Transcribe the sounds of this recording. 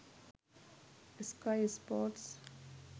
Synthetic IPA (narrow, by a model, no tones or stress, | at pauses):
skaɪspɔʈs